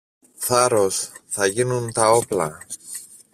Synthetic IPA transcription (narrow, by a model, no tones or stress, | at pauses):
θɐɾo̞sθɐʝinunt̪ɐo̞plɐ̰